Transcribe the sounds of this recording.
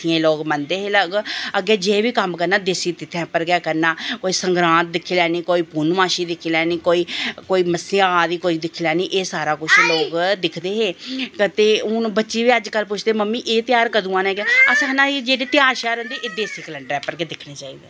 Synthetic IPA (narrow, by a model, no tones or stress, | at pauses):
ɪẽːloːɡmənd̪eːɦeːləɡəɡɛːd͡ʒeːʋiːkəmkəɾnaːd̪esiːt̪ɪt̪ʰːɛ̃ːpəɾɡjɛːkəɾnaːkoːiːsəŋɡɾãːt̪̚d̪ɪkʰːiːlɛːniːkoːiːpuːnmãːʃiːd̪ɪkʰːiːlɛːniːkoːiːkoːiːməsiaːd̪iːkoːiːd̪ɪkʰːiːlɛːniːʔeːsaːɾaːkʊt͡ʃʰloːɡd̪ɪkʰd̪eːɦeːkt̪eːʊnːbətːʃiːʋiːəd͡ʒkəlpʊt͡ʃʰd̪eːməmːiːʔeːt̪jaːɾkəd̪ũːãːnɛ̃ːkeəsãnãːid͡ʒeːɽeːt̪ɪjaːɾʃaːɾɛ̃ːnd̪eːʔeːd̪eːsiːkələɳɖɾɛːpəɾɡeːd̪ɪkʰneːt͡ʃaːiːd̪eː